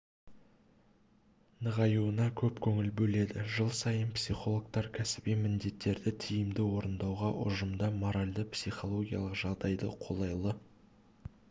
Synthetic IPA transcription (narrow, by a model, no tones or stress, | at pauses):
nəʁɑjuənɑkʲʰɵpkʲʰɵŋɪlbɵle̞d̪ɪʒəlˠsɑjənpsiχo̞lˠok̚t̪ɑɾkʲʰæsɪbimɪnd̪e̞t̪ːe̞ɾd̪ɪt̪ʰijɪmd̪ɪwo̞ɾənd̪ɑwʁɑʔʊ̰ʒəmd̪ɑmo̞ɾalʲd̪əpsiχo̞lˠo̞ɡʲijɑ̰lˠəqʒɑʁd̪ɑjd̪ə̰qʰo̞̰lˠɑjlˠə